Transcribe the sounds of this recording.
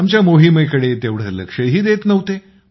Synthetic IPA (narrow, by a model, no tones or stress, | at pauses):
amt͡ɕjamoɦimekəɽet̪eʋɽ̤əɾlə̰kʂəɦiːd̪et̪nəʋt̪e